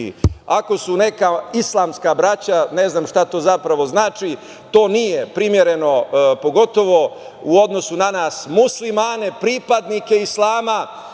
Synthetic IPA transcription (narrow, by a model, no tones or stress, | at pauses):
ako̞sune̞kaislˠaːmskabɾat͡ɕaneznaːmʃt̪at̪o̞ːzapɾaʋo̞znaːt͡ʃi | t̪o̞ːnije̞pɾimjeɾe̞no̞po̞ɡo̞t̪o̞ʋo̞ | uo̞d̪no̞sunanaːsmuslimaːne̞pɾipad̪nike̞islˠaːma